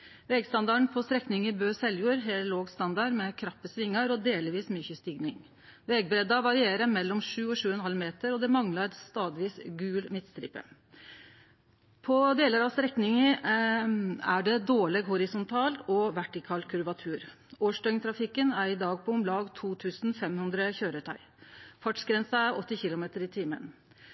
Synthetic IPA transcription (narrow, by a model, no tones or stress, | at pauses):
ʋɛɡst̪ɑnd̪ɑɳ̩pʰɔst̪ɾɛknɪŋəbøːsɛljuːɾɦeːloːɡst̪ɑnd̪ɑɾmɛkʰɾɑpːəsʋɪŋːəɾɔd̪eːlʋiːsmyçəst̪ɪɡnɪŋ | ʋɛɡ̚bɾɛd̪ɑʋɑɾɪeːɾəmɛlːɔmʂʉːɔʂʉːəɛnəhɑlmeːt̪əɾɔd̪ɛmɑŋlɑɾst̪ɑːd̪ɪʋiːsɡʉːlmɪt̪st̪ɾɪ̰pːə̰ | pʰɔd̪eːləɾɑʋst̪ɾɛknɪŋə | æɖɛd̪oːɭɛɡhɔɾɪsʊnt̪ʰɑːlt̪ɔʋæʈɪkʰɑːlkʰʉɾʋɑt̪ʰʉːɾ | oːʂdœʏŋt̪ʰɾɑfɪkːənæɾɪd̪ɑːɡ̚pʰɔʊmlɑːɡt̪ʰuːt̪ʰʉːsn̩fɛmhʉnd̪ɾəçøːɾəʈ̪ʰɑɪ | fɑʈsɡɾɛnsɑæɾʔɔt̪ːɪçɪlʊmeːt̪əɾɪt̪ʰiːmə̰n